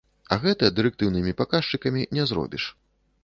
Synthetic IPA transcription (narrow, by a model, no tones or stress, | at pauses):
ɐ̰ɣɛt̪ɐd̪ɨɾɛk̚t̪ɨwnɨmʲipakaʂt͡ʂɨkɐmʲinʲɛzɾɔ̰bʲiʂ